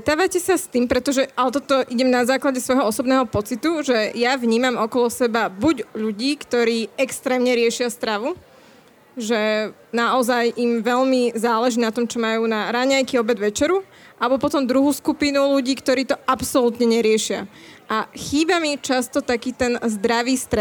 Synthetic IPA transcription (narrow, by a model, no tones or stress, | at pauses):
t̪aːʋacɛsast̪iːmpɾɛt̪ɔʒɛʔalɛt̪ɔt̪ɔʔiɟɛmnazaːklaɟɛsʋɔjɦɔɔsɔbnɛːɦɔpɔt͡sit̪uʒɛjaʋɲiːmamɔkɔlɔsɛbabuɟʎuɟiːkt̪ɔɾiːɛkst̪ɾɛːmɲɛɾɪɛʃɪast̪ɾaʋu | ʒɛ | naʔɔzajimʋɛʎmizaːlɛʒiːnat̪ɔmt͡ʃɔmajuːnaɾaɲajkiːɔbɛd̪ʋɛt͡ʃɛɾu | ʔalɛbɔpɔt̪ɔmd̪ɾuɦuːskupinuʎuɟiːkt̪ɔɾiːt̪ɔapsɔlut̪ɲɛɲɛɾɪɛʃɪa̰ʔaxiːbamit͡ʃast̪ɔt̪akiːt̪ɛnzd̪ɾaʋiːst̪ɾɛ